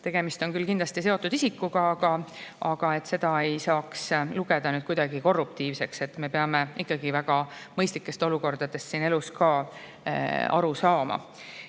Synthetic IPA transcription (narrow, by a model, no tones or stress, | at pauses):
t̪e̞ɡ̥e̞mist̪o̞nkylkind̪lɑst̪ise̞o̞t̪ːˑud̪̥isikːˑuɡ̥ɑɑɡ̥ɑɑɡ̥ɑe̞t̪ːse̞d̪̥ɑe̞jsɑːksluɡ̥e̞d̪̥ɑnyːd̪̚kujd̪̥ɑɡiko̞rːup̚t̪iːvse̞kse̞t̪ːˑme̞peɑme̞ikːˑɑɡ̥ivæɡ̥ɑmɤjst̪likːˑe̞st̪o̞luko̞rd̪̥ɑd̪̥e̞st̪ːsiːne̞luskɑː | ɑ̰ɾusɑːmɑ̰